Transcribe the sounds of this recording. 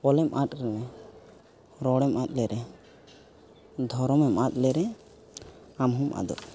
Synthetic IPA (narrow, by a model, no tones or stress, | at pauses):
pɔlɛmʔat̪ʼɾɛmɛ | ɾɔɽɛmʔat̪̚ˀlɛɾɛ | d̪ʱɔɾɔmɛmʔat̪̚lɛɾɛ | amɦumʔa̰d̪ɔ̰